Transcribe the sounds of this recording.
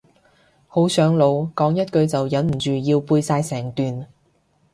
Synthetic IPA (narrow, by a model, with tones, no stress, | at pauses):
ho˨˥wsœː˨˥ŋlo˨˧wkɔː˨˥ŋjɐ˥t̚kɵ˧ɥt͡sɐ˨wjɐ˨˥nm̩˨˩t͡ʃyː˨jiː˧wpuː˧jsaː˧jsɛː˨˩ŋt̪yː˨n